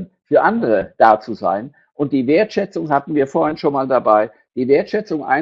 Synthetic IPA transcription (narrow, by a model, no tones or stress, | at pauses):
n | fyːɐʔandəʁəd̥aːt͡suza̰ɪn | ʔʊnt̚d̥iːveːɐtʃɛt͡sʊŋhatn̩viːɐfoːɐhɪnʃoːnmaːldabaɪ | d̥iːveːɐtʃɛt͡sʊŋʔa̰ɪ